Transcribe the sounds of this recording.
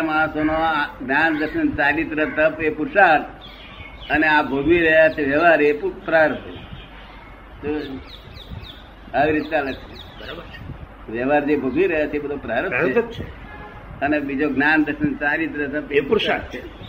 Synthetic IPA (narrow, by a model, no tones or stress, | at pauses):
masonoɡnand̪əɾʃənt͡ʃaɾit̪ɾət̪əpepuɾʃaɾ | əneabʱoɡiɾəɦjat͡ʃʰeʋjɛʋaɾepupɾaɾət̪ʰə̰ | t̪o | aʋiɾit̪ːealəkʃe | bəɾabəɾt͡ʃe̥ | ʋjəʋaɾd͡ʒebʱuɡiɾəɦjat͡ʃʰeebəd̪ʱopɾaɾəeət͡ʃʰe | ənebid͡ʒoɡnand̪əɾʃənt͡ʃaɾit̪ɾət̪əpepuɾʃaɾt͡ʃʰe